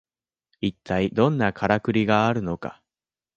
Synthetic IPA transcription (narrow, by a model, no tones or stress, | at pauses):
it̪ʰːaid̪õ̞nːakʰaɾakɯ̟ɾʲiɡaːɾɯ̟no̞ka̰